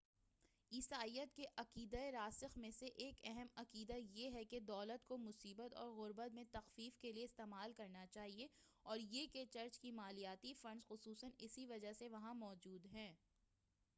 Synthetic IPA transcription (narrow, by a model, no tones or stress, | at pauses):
iːsaːijət̪keʔɐqiːd̪aeɾaːsɪxmẽseʔeːkɛɦɛmɐqiːd̪ajeɦɛked̪ɔːlət̪komʊsiːbət̪ɔ̰ːɾɣʊɾbət̪mẽt̪ɐxfiːfkelieɪst̪eːmaːlkɐɾnat͡ʃaːɦieɔːɾjeːket͡ʃɐɾt͡ʃkimaːlijaːt̪ifɐ̃ɳɖz̥xʊsuːsənɪsiʋɐd͡ʒaɦseʋɐɦãmɔːd͡ʒuːd̪ɦɛ̃ː